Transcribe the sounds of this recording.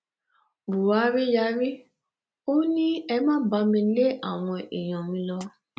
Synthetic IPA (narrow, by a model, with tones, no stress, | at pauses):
bu˨wa˨˦ɾi˦ja˧˦ɾi˦ | o˦nĩ˦ɛ˧mãː˦ba˧mĩ˧le˦ʔa˦˨w̃ɔ̃˧ḭ˨j̃ɔ̃˨mĩ˧lɔ˧